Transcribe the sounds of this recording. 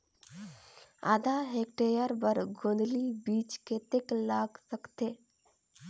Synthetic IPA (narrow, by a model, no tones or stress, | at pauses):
a̰ːd̪aɦek̚ʈeɾjəɾbəɾɡõːnd̪libiːt͡ʃket̪eklaːɡsəkt̪eː